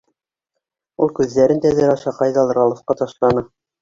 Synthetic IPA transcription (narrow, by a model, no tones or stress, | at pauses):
ulˠkʉðːæɾɘnt̪æðɘɾɑʃɑqɑjðɑlˠɾɑlˠŏfqɑt̪ɑʃlˠɑnɤ